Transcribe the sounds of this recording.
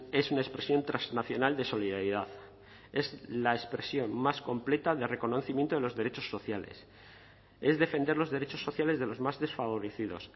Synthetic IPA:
e̞sunaespɾe̞sjo̞nt̪ɾaznaθjo̞nald̪e̞so̞liðaɾiðaθ | e̞zlaespɾe̞sjo̞nmːasko̞mple̞t̪aðe̞re̞ko̞no̞θimje̞nt̪oðe̞lo̞zðe̞ɾe̞t͡ʃo̞sːo̞θjale̞̰s | e̞zðe̞fe̞nd̪e̞ɾlo̞zðe̞ɾet͡ʃo̞sːo̞θjale̞zðe̞lo̞zmazðe̞sfaβo̞ɾe̞θið̞o̞̰s

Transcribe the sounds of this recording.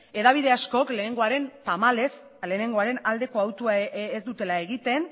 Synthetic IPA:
e̞ðaβ̞iðe̞asko̞kle̞ːneŋɡo̞aɾe̞nt̪amale̞s | le̞ːne̞ŋɡo̞aɾe̞nald̪e̞ko̞awt̪uaezd̪ut̪e̞lae̞ɣit̪e̞n

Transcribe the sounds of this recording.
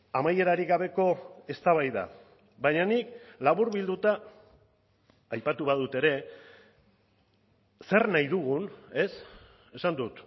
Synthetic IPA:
amaje̞ɾaɾiɣaβ̞e̞ko̞e̞st̪aβ̞ajða̰ | βaɲanik̚laβuɾβild̪ut̪a | ajpat̪uβað̞ut̪e̞ɾe̞ | se̞rnajðuɣune̞s | e̞sand̪ut̪

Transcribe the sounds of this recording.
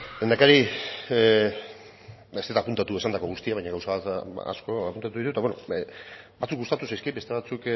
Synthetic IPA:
end̪akaɾi | est̪et̪apunt̪at̪ue̞sand̪ako̞ɣust̪iaβajɲaɣawsaβat̪a̰sko̞a̰punt̪at̪uðit̪ut̪aβwno̰ | bat͡sukɡust̪at̪usajskabet̪e̞βat͡suk

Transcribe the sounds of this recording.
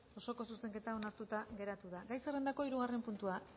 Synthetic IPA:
o̞so̞ko̞suse̞ŋke̞t̪ao̞naɾt̪ut̪aɣe̞ɾat̪uðaɡajse̞re̞nd̪ako̞iɾuɣ̞are̞mpunt̪ua

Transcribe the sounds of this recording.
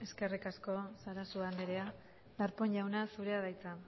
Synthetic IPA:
e̞ske̞rikasko̞saɾasuand̪eɾea | d̪aɾpo̞ɲʎawnasuɾe̞að̞ajt͡sa

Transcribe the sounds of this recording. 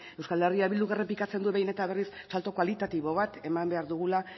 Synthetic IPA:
e̞wskaleriaβild̪uɣkerepikat͡se̞nd̪uβe̞jne̞t̪aβe̞rissalt̪o̞kwalit̪at̪iβo̞β̞at̪e̞mambe̞aɾðuɣ̞ula

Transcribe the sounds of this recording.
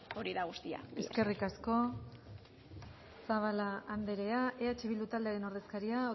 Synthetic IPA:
o̞ɾiðaɣ̞ust̪ia̰eske̞rikasko̞ | saβalaːnd̪e̞ɾe̞aʔeat͡ʃeβild̪ut̪ald̪e̞aɾe̞no̞ɾðe̞skaɾiao

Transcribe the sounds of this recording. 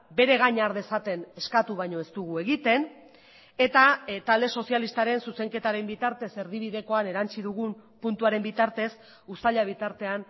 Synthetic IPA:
be̞ɾe̞ɣ̞aɲaɾðe̞sat̪e̞ne̞skat̪uβajɲo̞e̞st̪uɣue̞ɣit̪e̞n | e̞t̪at̪ald̪e̞so̞sialist̪aɾe̞nsuse̞ŋke̞t̪aɾe̞mbit̪aɾt̪e̞se̞ɾðiβ̞iðe̞ko̞ane̞ɾant͡siðuɣumpunt̪uaɾe̞mbit̪aɾt̪e̞s | usaʎaβ̞it̪aɾt̪e̞an

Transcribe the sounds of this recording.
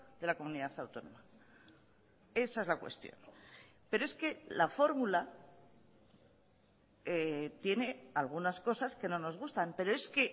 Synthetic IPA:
ðe̞lako̞muniðaθawt̪o̞no̞̰ma | e̞sae̞zlakwe̞̰st̪jo̞̰npe̞ɾoe̞ske̞lafo̞ɾmula | et̪je̞ne̞alɣ̞unasko̞saske̞no̞no̞zɣust̪ampe̞ɾo̞e̞ske̞

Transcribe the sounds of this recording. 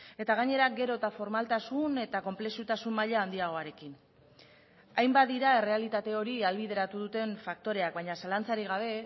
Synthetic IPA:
e̞t̪aɣ̞aɲe̞ɾaɡe̞ɾo̞t̪afo̞ɾmalt̪asune̞t̪ako̞mple̞sut̪asumːaʎaːnd̪iaɣ̞o̞aɾe̞kin | ajmbad̪iɾae̞re̞alit̪at̪e̞o̞ɾialβið̞e̞ɾat̪uðut̪e̞ɱfak̚t̪o̞ɾe̞ak̚βajɲasalant͡saɾiɣ̞aβ̞e̞

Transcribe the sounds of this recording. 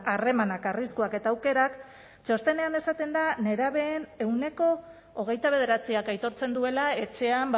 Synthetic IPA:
are̞manakariskuake̞t̪aːwke̞ɾak | t͡ʃo̞st̪e̞ne̞ane̞sat̪e̞nd̪ane̞ɾaβe̞ːne̞wne̞ko̞ː | ɣ̞e̞jt̪aβ̞e̞ðe̞ɾat͡siakajt̪o̞ɾt͡se̞nd̪ue̞lae̞t͡ʃe̞amb

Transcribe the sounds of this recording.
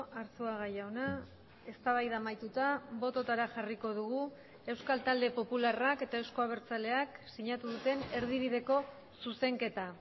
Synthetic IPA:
aɾsuaɣajawna | e̞st̪aβajðamajt̪ut̪aβo̞t̪o̞t̪aɾaʝariko̞ð̞uɣu | e̞wskalt̪ald̪e̞po̞pularake̞t̪ae̞wsko̞aβ̞e̞ɾt͡sale̞aksiɲat̪uðut̪e̞ne̞ɾð̞iβ̞ið̞e̞ko̞ | suse̞ŋke̞t̪a

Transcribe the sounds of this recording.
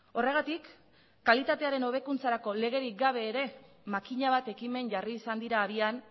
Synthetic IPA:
o̞re̞ɣ̞at̪ikː | alit̪at̪e̞aɾe̞no̞β̞e̞kunt͡saɾako̞le̞ɣ̞e̞ɾik̚ɡaβ̞e̞ːɾe̞ | makiɲaβ̞at̪e̞kime̞nʝariːsand̪iɾaːβian

